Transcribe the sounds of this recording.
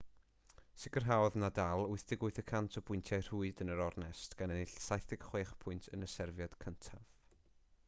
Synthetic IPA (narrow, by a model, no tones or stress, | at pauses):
sɪɡərɦawðnadalˠʊɨθd̥ɪɡʊɨθəkʰantʰɔbʊɨntʰjajr̥uɨdənəɾɔrnɛstɡ̥anɛnɪɬsajθɪɡ̥χweːχpʰʊɨntʰənəsɛrvjɔd̥kʰəntʰav̥